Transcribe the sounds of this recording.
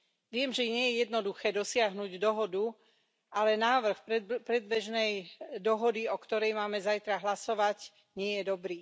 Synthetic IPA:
ʋɪɛmʒɛɲɪɛjɛjɛd̪nɔd̪uxɛːd̪ɔsɪaɦnuɟd̪ɔɦɔd̪u | ʔalɛnaːʋr̩xppɾɛd̪̚bɛʒnɛjd̪ɔɦɔd̪iɔkt̪ɔɾɛjmaːmɛzajt̪ɾaɦlasɔʋac | ɲɪɛjɛd̪ɔbɾiː

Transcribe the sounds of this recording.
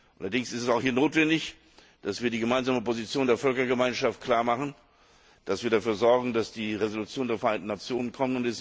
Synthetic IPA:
ʔalɐdɪŋsɪstɛsaʊxhiːɐnoːtv̥ɛndɪç | d̥asv̥iːɐdiːɡəmaɪnzaːməpozit͡sjoːndeːɐfœlkɐɡəmaɪnʃaft̚kl̥aːɐmaχən̩ | d̥asv̥iːɐɾafyːɐzɔɐɡŋ̩d̥asd̥iːʁezolut͡sjoːndeːɐfɛɐʔaɪntn̩nat͡sjoːnənkʰɔmtʊntɛs

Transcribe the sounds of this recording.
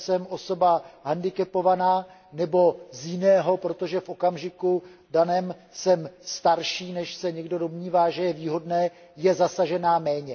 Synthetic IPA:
sɛmʔo̞so̞baɦandɪkɛpo̞vanaː | nɛbo̞zjɪnɛːɦo̞pɾo̞t̪oʒɛfʔo̞kamʒɪkudanɛm | sɛmst̪aɾʃiːnɛʃsɛɲɛɡdo̞domɲiːvaːʒɛjɛviːɦo̞dnɛː | jɛzasaʒɛnaːmɛːɲɛ

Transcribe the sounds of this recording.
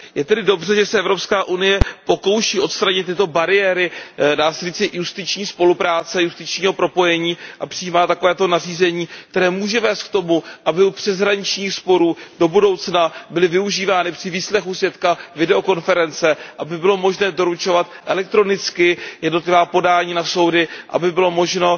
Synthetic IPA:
jɛt̪ɛdɪdo̞brɛʒɛsɛʔɛvɾo̞pskaːʔunɪjɛpo̞ko̞wʃiːʔo̞t̪st̪ɾaɲɪt̪ːɪt̪o̞baɾɪjɛːɾɪnaːslɛdit͡sɪjust̪ɪt͡ʃɲiːspo̞lupɾaːt͡sɛjust̪ɪt͡ʃɲiːɦo̞pɾopo̞jɛɲiːʔapr̥ɪjiːmaːt̪ako̞vɛːt̪o̞nariːzɛɲiːkt̪ɛɾɛːmuːʒɛvɛːst̪k̚t̪o̞muʔabɪupr̥ɛzɦɾaɲɪt͡ʃɲiːxspo̞ɾuːdo̞budo̞wt͡snabɪlɪvɪuʒiːvaːnɪpr̥ɪviːslɛxusvjɛt̪kavɪdɛo̞ko̞nfɛɾɛnt͡sɛʔabɪbɪlo̞mo̞ʒnɛːdo̞ɾut͡ʃo̞vat̪ʔɛlɛk̚t̪ɾo̞nɪt͡skɪjɛdno̞t̪lɪvaːpo̞daːɲiːnaso̞wdɪʔa̰bɪbɪlo̞mo̞ʒno̞

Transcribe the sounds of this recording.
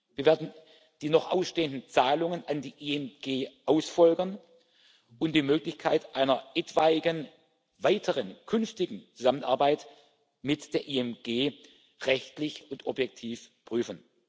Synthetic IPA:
viːɐveːɐdn̩ | d̥iːnɔχʔa̰ʊsʃteːəndn̩t͡saːlʊŋənʔandiːʔiɛmɡ̥eːʔaʊsfɔlɡɐn | ʊntd̥iːmøːklɪçkʰaɪtʔaɪnɐʔɪtv̥aɪɡən | vaɪtʰəʁənkʰʏnftɪɡŋ̩t͡suzamənʔa̰ɐbaɪt | mɪtd̥eːɐʔiːɛmɡ̥eː | ʁɛçtlɪçʊntɔpjɛk̚tʰiːfpʁ̥yːfən

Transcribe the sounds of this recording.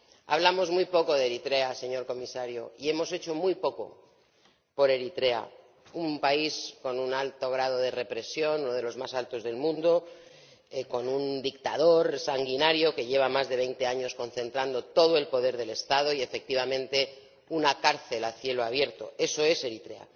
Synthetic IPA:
a̰β̞lamo̞zmujpo̞ko̞ð̞eɾit̪ɾe̞ase̞ɲo̞ɾko̞misaɾjoie̞mo̞se̞t͡ʃo̞mujpo̞ko̞̰ | po̞ɾe̞ɾit̪ɾe̞a̰ | umpaisko̞nunalt̪o̞ɣɾað̞o̞ð̞e̞re̞pɾe̞sjo̞nunoðe̞lo̞zmasalt̪o̞zðe̞lmũnd̪o̞ | eko̞nund̪ik̚t̪að̞o̞ɾsaŋɡinaɾjoke̞ʎe̞β̞amazðe̞β̞e̞jnt̪e̞aɲo̞sko̞nθẽ̞nt̪ɾand̪o̞t̪o̞ð̞oe̞lpo̞ðe̞ɾð̞e̞le̞st̪að̞o̞ie̞fe̞k̚t̪iβ̞amẽ̞nt̪e̞ | unakaɾθe̞laθje̞loaβ̞je̞ɾt̪o̞̰e̞so̞e̞se̞ɾit̪ɾe̞a̰

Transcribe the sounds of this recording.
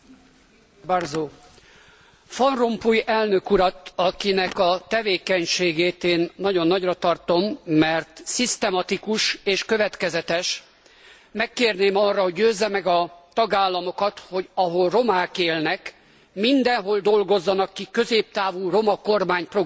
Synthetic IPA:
barzoː | fɒnrompujʔɛlnø̞kuɾɒt̪ɒkinɛkɒt̪ɛveːkɛɲʃeːɡeːt̪eːnːɒɟo̞nːɒɟrɒt̪ɒrt̪o̞mːɛrt̪sist̪ɛmɒt̪ikuʃeːʃkøvɛt̪kɛzɛt̪ɛʃ | mɛkːeːrneːmɒrːɒho̞ɟjøːzːɛmɛɡɒt̪ɒɡaːlːɒmo̞kɒt̪ho̞ɟɒɦo̞lro̞maːkeːlnɛk | mind̪ɛnɦo̞ld̪o̞lɡo̞zːɒnɒkːikø̞zeːp̚t̪aːvuːro̞mɒko̞rmaːɲproɡ

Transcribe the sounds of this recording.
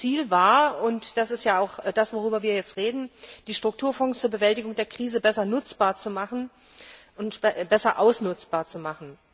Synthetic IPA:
t͡siːlvaːɐʊntd̥asɪstjaːaʊxd̥asv̥oʁ̞yːbɐviːɐjɛt͡stʁeːdn̩d̥iːʃtʁ̥ʊk̚tʰuːɐfɔŋst͡suːɐbəvɛltɪɡʊŋdeːɐkʁ̥iːzəbɛsɐnʊt͡sb̥aːɐt͡sumaχn̩ | ʊntbɛsɐʔaʊsnʊt͡sb̥aːɐt͡sumaχn̩

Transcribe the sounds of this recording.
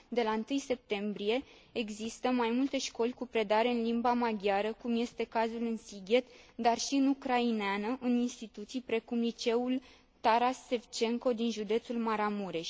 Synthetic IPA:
d̪e̞laɨnt̪ɨjse̞p̚t̪e̞mbɾije̞ | eɡzist̪əmajmult̪e̞ʃko̞lʲkupɾe̞d̪aɾe̞ɨnlimbamaɡʲjaɾəkumje̞st̪e̞kazulɨnsiɡʲe̞t̪d̪arʃiɨnukɾaineanəʔɨninst̪it̪ut̪sijpɾe̞kumlit͡ʃe̞ul | t̪aɾase̞vt͡ʃe̞ŋko̞d̪inʒud̪e̞t̪sulmaɾamuɾe̞ʃ

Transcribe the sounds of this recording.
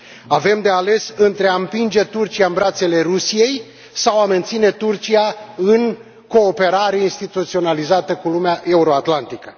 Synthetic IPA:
ave̞md̪e̞ale̞sɨnt̪ɾe̞ampind͡ʒe̞t̪urt͡ʃiaɨmbɾat̪se̞le̞ɾusije̞j | sawame̞nt̪sine̞t̪urt͡ʃiaɨn | ko̞ːpe̞ɾaɾe̞inst̪it̪ut̪sio̞nalizat̪əkulumeaʔe̞uɾo̞at̪lant̪ikə

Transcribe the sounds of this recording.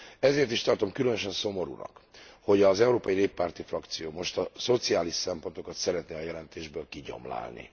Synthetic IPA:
ɛzeːrt̪iʃt̪ɒrt̪o̞mkylønøʃɛnso̞mo̞ɾṵːnɒ̰kho̞ɟɒzɛuɾoːpɒjineːpːaːrt̪ifrɒkt̪sijoːmo̞ʃt̪ɒso̞t̪sijaːliʃsɛmpo̞nt̪okɒt̪sɛɾɛt̪neːɒjɛlɛnt̪eːʒbøːlkiɲo̰mla̰ːlnḭ

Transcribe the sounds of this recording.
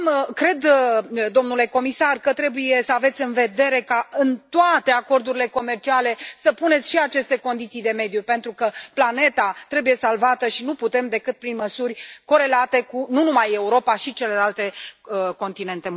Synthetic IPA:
kɾe̞d̪d̪o̞mnule̞ko̞misarkət̪ɾe̞buje̞səave̞t̪sʲɨnve̞d̪e̞ɾe̞kaɨnt̪oat̪e̞ako̞rd̪uɾile̞ko̞me̞rt͡ʃiale̞səpune̞t̪sʲʃiat͡ʃe̞st̪e̞ko̞nd̪it̪sijd̪e̞me̞d̪jupe̞nt̪ɾukəplane̞t̪at̪ɾe̞buje̞salvat̪əʃinuput̪e̞md̪e̞kɨt̪̚pɾinməsurʲko̞ɾe̞lat̪e̞kununumaje̞uɾo̞paʃit͡ʃe̞le̞lalt̪e̞ko̞nt̪ine̞nt̪e̞

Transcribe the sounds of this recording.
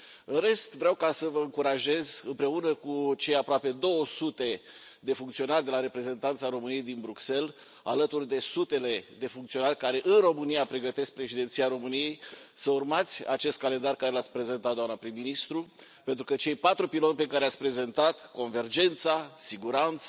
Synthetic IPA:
ɨnɾe̞st̪vɾeawkasəvəɨŋkuɾaʒe̞zɨmpɾe̞unəkut͡ʃe̞japɾoape̞d̪o̞wəsut̪e̞ | d̪e̞fuŋkt̪sio̞narʲd̪e̞laɾe̞pɾe̞ze̞nt̪ant̪saɾo̞mɨnijejd̪inbɾukse̞l | a̰lət̪urd̪e̞sut̪e̞le̞d̪e̞fuŋkt̪sionarʲkaɾe̞ʔɨnro̞mɨnijapɾe̞ɡət̪e̞sk̚pɾe̞ʃid̪e̞nt̪siaɾo̞mɨnije̞j | səurmat̪sʲa̰t͡ʃe̞st̪̚kale̞nd̪arʲkaɾelat̪sʲpɾe̞ze̞nt̪at̪d̪oamnapɾimːinist̪ɾu | pe̞nt̪ɾukət͡ʃe̞jpat̪ɾupilo̞nʲpe̞kaɾeat̪sʲpɾe̞ze̞nt̪at̪ko̞nve̞rd͡ʒe̞nt̪sasiɡuɾant̪s

